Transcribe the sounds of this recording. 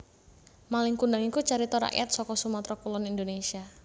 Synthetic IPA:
malɪŋkundaŋikut͡ʃaɾit̪ɔɾa̰ʔja̰t̪̚sɔkɔsumat̪ɾɔkulɔnind̪onesia

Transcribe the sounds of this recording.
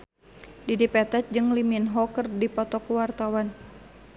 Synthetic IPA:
didipɛt̪ɛt̪̚d͡ʒɨŋliminɦɔkərdipɔt̪ɔkuwart̪awan

